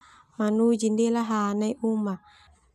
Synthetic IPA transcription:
manud͡ʒindelaɦanajʔuma

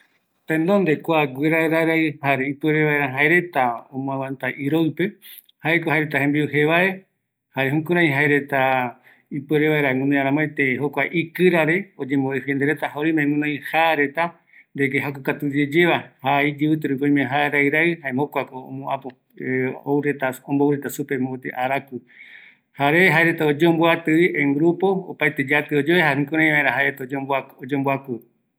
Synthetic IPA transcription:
t̪ẽnd̪ond̪e̞kʷaɡʷeɾaeɾajɾaɨhaɾeipeɾeβaeɾaɦaeɾe̞t̪aõmõãwãnt̪aʔiɾoɨpe̞ | haekohaeɾet̪ahembiɨɦeβaʔe̞ | haɾeɦũkũɾ̃ãj̃ɦaeɾe̞t̪a | ipeɾeβaeɾaŋũnõaɾãmoet̪eɦokʷaʔikɨɾaɾe̞od͡ʒẽmboehend̪eɾet̪aɦaoɾimẽŋũnõj̃haɾe̞t̪a | nd̪ekeɦakukat̪ud͡ʒed͡ʒeβahaid͡ʒiβɨt̪ɨɾukoĩmẽɦaeɾajɾahaemokʷako̰ːmõapo | owɾet̪aõmbowɾet̪asupemot̪ḛʔaɾakɨ | haɾeɦaeɾe̞t̪aod͡ʒeomboat̪ɨiʔẽŋɡɾupo̞o̰pajt̪ed͡ʒat̪ɨod͡ʒoβehahɨ̃kõɾ̃ãj̃βaeɾaɦaeet̪aod͡ʒbaod͡ʒeomboaku

